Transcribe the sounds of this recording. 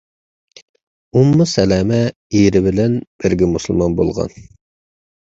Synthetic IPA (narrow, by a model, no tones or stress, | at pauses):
umːusɛlæːmɛ | iɾɪbɪlɛnb̥ɪɾɡʲɛmusɨlˠmɑnbo̰lˠʁɑ̰n